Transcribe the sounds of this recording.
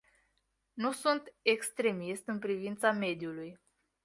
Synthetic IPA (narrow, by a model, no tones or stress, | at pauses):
nusunt̪e̞kst̪ɾe̞mist̪ɨnpɾivint̪same̞d̪juluj